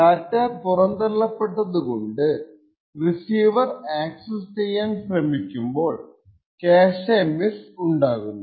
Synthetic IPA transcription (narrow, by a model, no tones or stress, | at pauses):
katːɐpurɐnd̪ɐlːɐpːeʈːɐðuko̞ɳɖɨ | risiːʋɐraːksɐst͡ɕejːaːnprɐmikʲːumbo̞ːɭ | keːʂemisuɳɖaːɣunːɐ